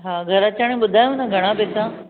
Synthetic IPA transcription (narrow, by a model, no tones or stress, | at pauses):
ɦaːɡʱɐɾɐt͡ɕaːɽ̃ẽɓʊd̪ʱaːjũnɐɡʱɐɽ̃ãpɪːt̪ã